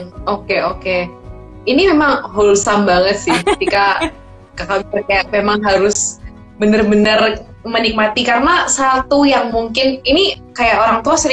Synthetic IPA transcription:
okeoke | inimemaŋɦolusambaŋət̪̚sɪhkət̪ika | kakabərkajaʔ̚memaŋɦaɾʊs | bənərbənər | mənik̚mat̪ikaɾənasat̪ujaŋmuŋkɪninikajaʔoɾaŋt̪uasəɾi

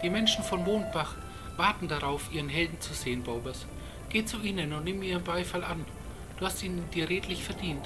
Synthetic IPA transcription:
d̥iːmɛnʃn̩fɔnmoːnt̚b̥aχ | v̥aɐtn̩daʁaʊfʔiːʁ̞ənɦɛldn̩t͡suzeːənboʊbɐs | ɡ̥eːt͡suʔiːnənʊntnɪːmiːʁənbaɪfalan | d̥uːhastiːnəndiːɐʁeːtʰlɪçfɛɐdiːnt

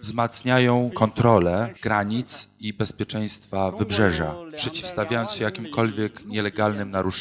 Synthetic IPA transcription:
vzmat̪sɲajɔ̃w̃kɔnt̪ɾɔlɛɡ̥ɾaɲit̪sibɛspʲjɛt͡ʂɛj̃st̪favɘbʐɛʐa̰pʂɛt͡ɕi̥fst̪avʲjajɔnsɕɛjakʲimkɔlvʲjɛkɲɛlɛɡalnɘmnaɾuʂ

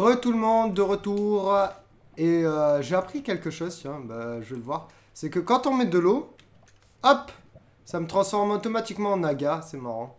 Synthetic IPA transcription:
ʁət̪ulmɔ̃d̪ːəʁət̪uʁ | eøʒeapχikʲɛlkəʃozt̪jɛ̃baʒəvɛləvwaʁ | sɛkəkɑ̃t̪ɔ̃mɛd̪əlo | ɔp | samət̪χɑ̃sfɔʁmot̪ɔmat̪ikmɑ̃ːnaɡasɛmaʁɑ̃

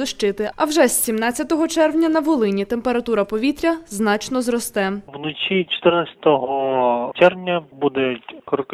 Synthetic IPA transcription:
ɪʃt͡ʃɪt̪ɪɐwʒɛsːʲimnɑt͡sʲːɐt̪ɔɦɔt͡ʃɛrwnʲɐnɐʋɔlˠɪnʲit̪empe̞ɾɐt̪uɾɐpɔʋʲit̪ɾʲɐznɑt͡ʃnɔzrɔst̪ɛwnɔt͡ʃʲit͡ʃɔ̥t̪ɪrnasʲɐ̥t̪ɔɦɔt͡ʃɛrwnʲɐbud̪ɛkɾk

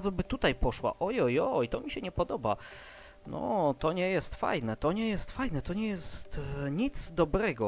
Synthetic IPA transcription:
d̪zɔbɘt̪ut̪ajpɔʂwa̰ʔɔjɔjɔjt̪ɔmʲiɕɛɲɛpɔd̪ɔba | nɔ̰t̪ɔɲɛjɛst̪fa̰jnɛt̪ɔɲɛjɛst̪fajnɛt̪ɔɲɛjɛst̪ɲit̪zd̪ɔbɾɛɡɔ

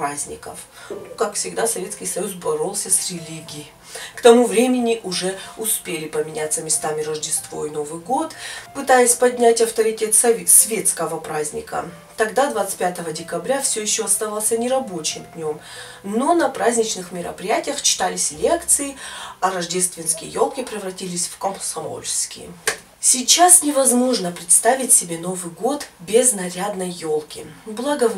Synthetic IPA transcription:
pɾazʲnʲɪ̰kə̰f | nukakfsʲɪɡd̪asɐvʲeskʲɪjsɐjusbɐɾo̞lˠsʲəsrʲɪlʲiɡʲɪː | kt̪ɐmuvɾʲemʲɪnʲɪʔʊʐɛʊspʲelʲɪpəmʲɪnʲat̪sːəmʲɪst̪amʲɪɾəʐdʲɪst̪vo̞̰ɪno̞vɨjɡo̞t̪pɨt̪ajɪsʲpɐdʲnʲætʲɐft̪əɾʲɪtʲe̞t̪sʲsvʲe̞t̪skəvəpɾazʲnʲɪ̰kə̰ | t̪ɐɡd̪ad̪vat̪sɨ̥t̚ʲpʲat̪əvədʲɪkɐbɾʲafsʲɵjɪɕːoɐst̪avalˠsʲənʲɪɾɐbo̞t͡ɕɪmd̪ʲnʲo̞m | no̞nɐpɾʔazʲnʲɪt͡ɕnɨxmʲɪɾə̰pɾʲɪjætʲɪjəxt͡ɕɪ̥t̪alʲɪsʲlʲekt̪sɨɪɐɾɐʐdʲe̞st̪vʲɪnskʲɪjə̰jo̞lˠkʲɪpɾʲɪvɾɐtʲilʲɪsʲfkəmsɐmo̞̰lʲskʲɪ̰ | sʲɪt͡ɕasnʲɪvɐzmo̞ʐnəpɾʲɪt̪st̪avʲɪtʲsʲɪbʲe̞no̞vɨjɡo̞t̪bʲɪznɐɾʲad̪nəjːo̞lˠkʲɪblˠaɡə

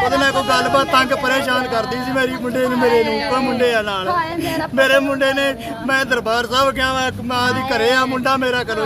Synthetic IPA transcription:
kət̪ẽːmɛ̃ːkoiɡəlːbaːt̪ːãŋɡpəɾeːʃaːnkəɾd̪iːsiːmeːɾiːmʊɳɖeːñːmeːɾeːnũːkɛ̃ːmʊɳɖeːaːnaːlːmeːɾeːmʊɳɖeːneː | mɛ̃ːd̪əɾbaːɾsəbkɪãːɛ̃ːmɛ̃ːd̪iːkəɾeːaːmʊɳɖaːmeːɾaːkəɾeː

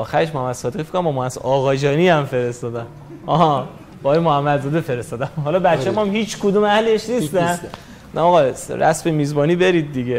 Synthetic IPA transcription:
ʔɒːxæɾeʃmohæmːæd̪̥sɒːd̪eɣife̥kːoɾæmbɒmɒæzɒːɣɒːd͡ʒɒːniæmfe̞ɾe̞st̪ɒːd̪æm | ɒɒ | b̥eɒːjemohæmːæd̪zɒːd̪efe̞ɾest̪ɒːd̪æmhɒlɒːbæt̪t͡ʃemɒmhiːt͡ʃʰkʰod̪umæhleʃnist̪æn | nɒːɣɒsɾæ̰sfemiːzbɒːniːbe̞ɾid̪̚ːiɡe

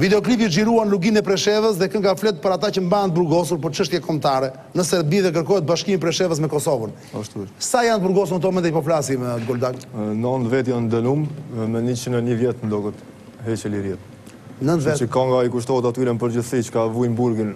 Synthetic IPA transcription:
vid̪ɛɔklipiʒiɾuanluɡinɛpɾɛʃɛvəs̬ðɛkəŋɡaflɛt̪̚pəɾat̪acəmbaənt̪əbuɾɡɔs̬uɾpəɾt͡ʃəʃt̪jɛkʰɔmt̪aɾɛ | nəsɛɾbiðɛk̬əɾkɔjɛt̪̚baʃkiminp̬ɾɛʃɛvəs̬mɛkɔsɔvən | aʃt̪usajant̪̚əbuɾɡɔs̬uɾnət̪̬ɔɔmɛnt̪ɛpɔflasimɡɔld̪aɡnɔnd̪vɛt̪jand̪ənummɛnit͡ʃənənəvjɛt̪nd̪ɔɡət̪ | ɦɛt͡ʃəliɾjɛt̪ | nənt̪vɛt̪əkaŋɡaikuʃt̪ɔət̪at̪yɾɛnpəɾd͡ʑəθsit͡ʃkavujmbuɾɡin

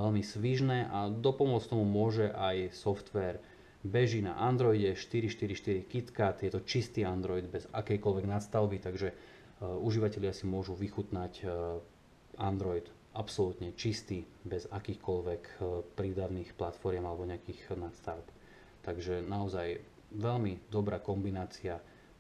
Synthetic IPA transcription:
ɛlmisʋiʒnɛːʔad̪ɔpɔmʊɔt͡skt̪ɔmumʊɔʒɛʔajsɔft̪ʋɛːɾ | bɛʒina̰ʔand̪ɾɔjɟɛʃt̪iɾiʃt̪iɾiʃt̪iɾikit̪kat̪jɛt̪ɔt͡ʃist̪iːand̪ɾɔjd̪bɛza̰kɛjkɔlʋɛɡnat̪st̪aʊbit̪aɡʒɛ | uʒiʋacɛʎɪasimʊɔʒuʋixut̪nac | and̪ɾɔjd̪ | apsɔlut̪ɲɛt͡ʃist̪iːbɛzakiːxkɔlʋɛkpɾiːd̪aʋniːxplat̪fɔɾɪɛmalɛbɔɲɛakiːxnat̪st̪aʊp | t̪aɡʒɛnaɔzaj | ʋɛlmid̪ɔbɾaːkɔmbinaːt͡sia

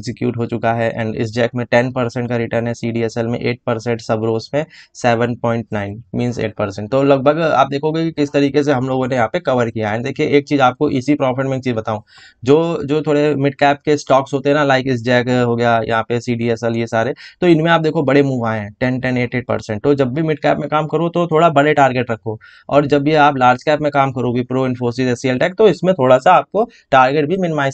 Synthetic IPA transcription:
ɛɡzɪkjuːʈɦot͡ʃʊkaɦɛʔɛ̰̃ːɳɖɪ̰s̬d͡ʒɛːkmẽʈɛnpɐɾsɛ̃ɳʈkaɾɪʈəɾnɦɛsiːɖiɛsɛlmḛ̃ʔeːʈ̚pɐɾsɛ̃ɳʈsɐbɾoːsmẽsɛːʋə̃npɔ̃ːɪ̃ɳʈ̚naːɪnmĩːnzḛːʈ̚pɐɾsɛ̃ɳʈ̚t̪oːlɐɡ̚bʱəɡa̰ːp̚d̪eːkʰoɡekikɪst̪ɐɾiːkes̬eɦɐ̃mloːɡõnejɐɦãpekɐʋəɾkijaɦɛ̃d̪eːkʰieʔeːk̚t͡ʃiːzaːp̚koʔisipɾɔːpʰɪʈmẽːk̚t͡ʃiːzbɐt̪aːũː | d͡ʒoːd͡ʒoːt̪ʰoːɽemɪʈkɛːp̚kesʈɔːksɦoːt̪eɦɛ̃nalaːɪkɪs̬d͡ʒɛːkɦoːɡɐjajɐ̰ɦãpesiːɖiɛsəljesaːɾet̪oɪnmẽaːp̚d̪eːkʰobɐɽemuːʋaːẽɦɛ̃ːʈɛ̃nʈɛ̃neːʈeːɖ̚pɐ̰ɾsɛ̃ɳʈt̪od͡ʒɐbːʱimɪʈkɛːpmẽkaːmkɐɾot̪ot̪ʰoːɽabɐɽeʈaːɾɡeʈɾɐkʰːoː | ɔ̰ːɾd͡ʒɐbjeaːplaːɾd͡ʒkɛːpmẽkaːmkɐɾoɡʱipɾoːɪ̃nfoːs̬ɪzɛsiəlʈɛːk̚t̪oɪsmẽt̪ʰoːɽasaaːp̚ko | ʈaːɾɡeʈ̚bʱimɪnɪmaːɪs

